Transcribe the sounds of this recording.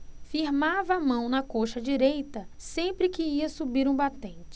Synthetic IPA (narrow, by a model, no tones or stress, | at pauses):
fiɾmavɐːmɐ̃w̃nɐkoʃɐd͡ʒiɾejt̪ɐsẽpɾɪkɪiɐsubiɾũbat̪ẽnt͡ʃɪ̥